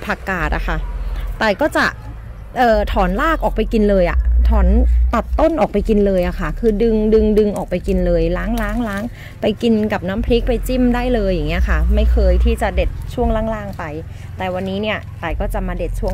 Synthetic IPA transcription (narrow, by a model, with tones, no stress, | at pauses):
pʰa˧kaː˨˩t̪̚ʔa̰˨˩kʰa˥˩t̪ɛː˨˩kɔː˥˩t͡ɕa˨˩ʔ | ʔɤː˨˩t̪ʰɔː˩˦nlaː˥˩k̚ʔɔː˨˩k̚pa˧jki˧nlɤː˧jʔa̰˨˩ʔt̪ʰɔː˩˦nt̪a˨˩t̪ːo˥˩nʔɔː˨˩k̚pa˧jki˧nlɤː˧jʔa˨˩kʰa˥˩kʰɯː˧dɯ˧ŋdɯ˧ŋdɯ˧ŋʔɔː˨˩k̚pa˧jki˧nlɤː˧jlaː˦˥ŋlaː˦˥ŋlaː˦˥ŋ | pa˧jki˧nka˨˩p̚naː˦˥mpʰli˦˥k̚pa˧jt͡ɕi˥˩mdaː˥˩jlɤː˧jːaː˨˩ŋːi˦˥ɐkʰa˥˩ma˥˩jkʰɤː˧jt̪ʰiː˥˩t͡ɕa˨˩de˨˩t̪̚t͡ɕʰu˥˩əŋlaː˧˥˩ŋlaː˥˩ŋpa˧j | t̪ɛː˨˩wa˧nːiː˦˥ni˥˩ɐt̪aː˨˩kɔː˥˩t͡ɕa˨˩maː˧de˨˩t̪̚t͡ɕʰu˥˩ə